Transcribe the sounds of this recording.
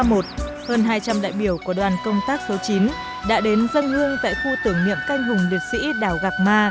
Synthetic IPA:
mo˨˩t̚ | həː˧nɦaː˧jt͡ɕa˧mɗa̰ː˧˨jɓi˧˩əwku˧˩əɗwaː˨˩nkə˧wŋ͡mt̪aː˦˥k̚so˨˦wt͡ɕi˨˦n | ɗa̰ː˧˥ɗe˨˦nzə˧nhɨ˧əŋt̪a̰ː˧˨jxu˧t̪ɨ˧˩əŋnḭ˧˨əmka˧jŋ̟ɦʊ˨˩ŋ͡mli˨˩ət̚sḭ˧˥ɗaː˧˩wɣa˨˩k̚maː˧

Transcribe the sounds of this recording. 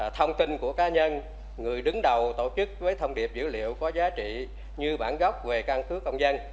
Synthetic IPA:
t̪ʰə˧wŋ͡mt̪i˧nku˧˩əkaː˨˦ɲə˧n | ŋɨ˨˩əjɗɨ˨˦ŋɗə˨˩wt̪o̰˧˨t͡ɕɨ˦˥k̚vəː˨˦jt̪ʰə˧wŋ͡mɗi˨˩əp̚zɨ̰˧˥lḭ˧˨əwkɔ˨˦zaː˨˦t͡ɕḭ˧˨ | ɲɨ˧ɓaː˧˩nɣɔ˦˥wk͡p̚ve˨˩ka˧nkɨ˨˦kə˧wŋ͡mzə˧n

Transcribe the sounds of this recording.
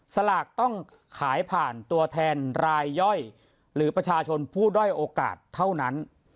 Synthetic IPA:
sa˧laː˨˩k̚t̪ɔ˥˩ŋ | kʰaː˩˦jpʰaː˨˩nt̪u˧ɐt̪ʰɛː˧nɾaː˧jːɔ˥˩j | ɾɯː˩˦˥pɾa˧t͡ɕʰaː˧t͡ɕʰo˧npʰuː˥˩dɔ˥˩jʔoː˧ka̰ː˨˩t̪ʰːa˥˩wna˦˥n

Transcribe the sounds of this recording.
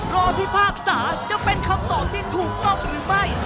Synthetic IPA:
ɾɔː˧pʰi˥˩pʰaː˥˩k̚saː˩˦t͡ɕa˨˩pe˧nkʰa˧˥˩mt̪ɔː˨˩t̪ʰiː˥˩t̪ʰuː˨˩k̚t̪ɔ˨˩p̚ɾɯː˩˦ma˥˩j

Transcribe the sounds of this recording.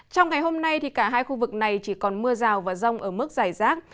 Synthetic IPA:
t͡ɕɔ˧wŋ͡mŋa˨˩jɦo˧mna˧jt̪ʰi˨˩kaː˧˩ɦaː˧jxu˧vɨ˨˩k̚na˨˩jt͡ɕi˧˩kɔ˨˩nmɨ˧əzaː˨˩wvaː˨˩zə˧wŋ͡mʔəː˧˩mɨ˦˥k̚z̥aː˧˩jzaː˦˥t̚

